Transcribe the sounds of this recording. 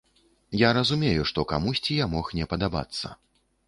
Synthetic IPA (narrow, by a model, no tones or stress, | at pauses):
jaɾɐzumʲejuʂt̪ɔka̰musʲt͡sʲijamɔxnʲɛpɐd̪aba̰t̪sːɐ̰